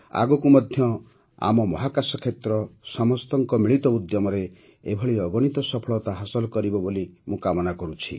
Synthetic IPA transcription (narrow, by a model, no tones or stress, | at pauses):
a̰ɡɔkumɔd̪ʱjɔ | a̰mɔmɔɦakasɔkʰet̪ɾɔsɔmɔst̪ɔŋkɔmiɭit̪ɔud̪jɔmɔɾe | ebʱɔɭiɔɡɔɽ̃it̪ɔsɔpʰɔɭɔt̪aɦasɔlɔkɔɾibɔbolimũkamɔnakɔɾut͡ʃʰḭ